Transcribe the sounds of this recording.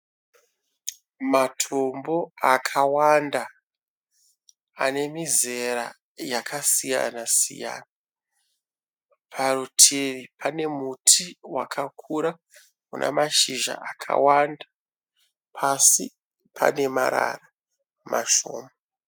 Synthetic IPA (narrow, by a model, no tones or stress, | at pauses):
matʰo̞mbo̞akʰawanda | a̰ne̞mize̞ɾa̰ | jakʰasija̰nasḭja̰ːna | pʰarutʰeripʰane̞mutʰiwa̰kʰakʰuɾa | kuna̰maʃiʒa̰ʔakʰa̰wanda | pʰasḭ | pʰa̰ne̞ma̰ɾa̰ra | maʃo̰ːma